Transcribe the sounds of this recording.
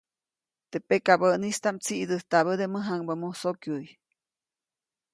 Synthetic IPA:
t̪epekabəʔnist̪amt͡siʔd̪əht̪aβəd̪eməɦaŋbəmusokjuj

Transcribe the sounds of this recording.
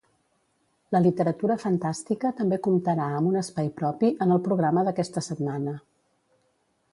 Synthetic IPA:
ləlit̪əɾət̪uɾəfənt̪ast̪ikət̪əmbekumt̪əɾaəmbunəspajpɾɔpiʔənəlˠpɾuɣɾaməðəkɛst̪əsət̪manə

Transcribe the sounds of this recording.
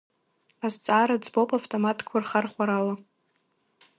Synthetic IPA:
azt͡sʼaɾad͡zbowpʼaftʼomatʰʼkʷʰarχarχʷaɾala

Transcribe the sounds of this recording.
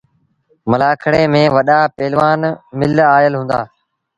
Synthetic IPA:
məlaːkʰəɽeːmẽːʋəɗaːpeːlʋaːnmɪlaːjəlɦũːnd̪a̰ː

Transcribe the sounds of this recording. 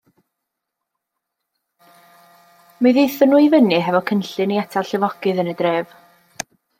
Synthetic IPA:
mɨðejθənuːivənɨɦɛvɔkʰənɬɨniɛtʰalɬɪvɔɡɨðənədreːv̥

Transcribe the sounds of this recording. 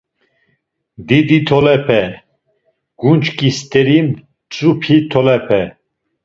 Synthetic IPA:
d̪id̪it̪ʰɔlɛpʰɛ | ɡ̥unt͡ʃkʼist̪ʼɛɾim | t͡sʼupʰit̪ʰɔlɛpʰɛ

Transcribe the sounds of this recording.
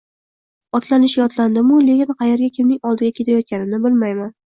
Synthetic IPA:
ɒt̪lanɪʃjɒt̪land̪ɪmʊlekʲɪnqʰɑjeɾɡʲakʲʰɪmnɪŋɒlˠd̪ɪɡʲakʲʰe̞t̪ʰajɒt̪̚kʲanɪnɪbɪlmajman

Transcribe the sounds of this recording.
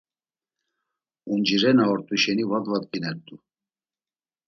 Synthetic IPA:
und͡ʒiɾɛnaɔɾt̪ʼuʃɛnivad̪vat̪̚kinɛɾt̪ʼu

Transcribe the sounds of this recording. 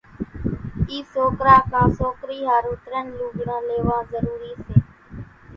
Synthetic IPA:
iːsoːkɾaːkʰãːsoːkɾiːɦaːɾuːʈ̪ɾənlũːɡɽãːleːʋãːzəɾuːɾiːseː

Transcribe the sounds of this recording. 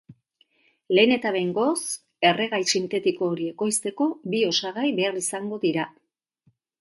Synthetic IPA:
le̞ːne̞t̪aβejŋɡo̞s | e̞re̞ɣajsint̪e̞t̪iko̞ːɾie̞ko̞jst̪e̞ko̞bio̞saɣ̞ajβe̞arisaŋɡo̞ðiɾa

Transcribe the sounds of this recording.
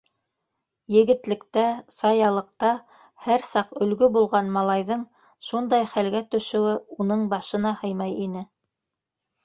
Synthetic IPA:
jɘ̆ɡɘ̆t̪lɘ̆kt̪æsɑjɑlˠɤ̆q̚t̪ɑ | hæɾsɑqɵ̆lɡɵbulˠʁɑnmɑlˠɑjðɤɴ | ʃund̪ɑjχælɡæt̪ɵ̆ʃɘ̆wɘunɤɴbɑʃɤ̆nɑhɤjmɑjinɘ

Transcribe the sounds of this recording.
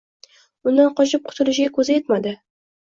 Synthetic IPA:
ʊnd̪anqʰɒt͡ʃʰɪp̚qʰʊ̥t̪ʰʊlɪʃɡʲakʰɵzɪjet̪mad̪ɪ

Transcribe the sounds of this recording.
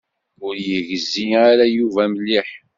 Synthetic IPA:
ʊɾjəʝəzːiaɾæjuvæməlːiħ

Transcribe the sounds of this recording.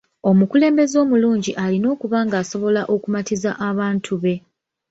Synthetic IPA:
o̞mukule̞ːmbe̞zo̞ːmuluːɲɟiʔalino̞ːkuβaːŋɡaːso̞βo̞laʔo̞kumatizaʔaβaːntʰuβe̞

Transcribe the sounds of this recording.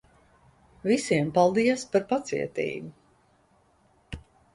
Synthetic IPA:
visiɛmpalˠd̪iaspaɾpat̪sḭɛt̪ḭːɡu

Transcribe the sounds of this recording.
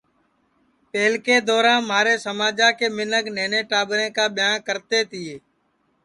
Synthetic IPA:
peːlkeːd̪ɔːɾãːnmaːɾeːsəmaːd͡ʒaːkeːmɪnəɡneːnẽːʈaːbɾẽːkaːɓɪjãːkəɾt̪eːt̪ɪːeː

